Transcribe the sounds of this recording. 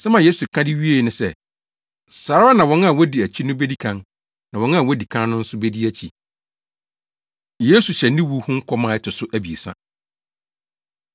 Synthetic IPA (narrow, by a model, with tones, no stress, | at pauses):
sɛ˦mã˨jeː˦su˨kʰã˦dɪ˦ɥi˦e˦˨nʊ̃˨sɛ˦ | saː˨ɾa˦a˦nã˨wɔ̃˨˦n˦a˨wɔ˦di˨æ˨t͡ɕʰi˦nʊ̃˦be˦di˦kʰã˨n | nã˨wɔ̃˨˦n˦a˦˨wɔ˦di˨kʰã˦nnʊ̃˦n̩˦sʊ˦be˦di˦æ˦t͡ɕʰi˨ | je˦su˨ɕɛ˨nɪ̃˦wu˦hʊ̃˦ŋ̩˦kʰɔ˦mã˨ɛ˦tʰʊ˨sʊ˦ʔæ˦bi˨e˨sã̰˦